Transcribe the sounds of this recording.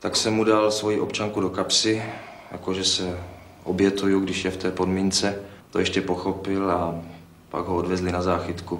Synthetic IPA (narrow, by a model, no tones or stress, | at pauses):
t̪aksɛmːudalsvo̞jiʔo̞pt͡ʃaŋkudokapsɪ | ja̰koʒɛsɛ | ʔobjɛt̪ujuɡdɪʃjɛft̪ɛːpo̞dmiːnt͡sɛ | t̪ojɛʃcɛpo̞xo̞pɪla | pa̰ɡɦoodvɛzlɪnazaːxɪt̪ku